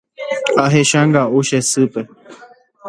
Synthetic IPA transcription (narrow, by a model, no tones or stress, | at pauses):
aɦeʃãŋɡaʔuʃesɨpe